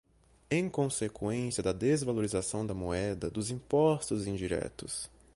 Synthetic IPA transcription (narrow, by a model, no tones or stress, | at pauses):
ẽj̃kõsekwẽsiɐd̪ɐd̪ezvaloɾizasɐ̃w̃d̪ɐmoɛd̪ɐd̪ʊzĩpɔst̪ʊzĩd͡ʒiɾɛ̰t̪ʊs